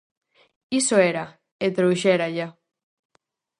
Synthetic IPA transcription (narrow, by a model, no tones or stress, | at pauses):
isoeɾa | et̪ɾowʃeɾaʎa